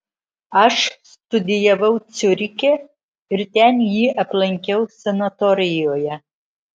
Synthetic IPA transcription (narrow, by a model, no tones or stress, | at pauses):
ɐʃst̪ʊd̪ʲɪjɛʋɐʊt̪sʲʊɾʲɪkʲe | ɪɾt̪ʲɛnjiːʔɐplˠɐŋʲkʲɛʊsʲɛnɐt̪ɔɾʲɪjoːjɛ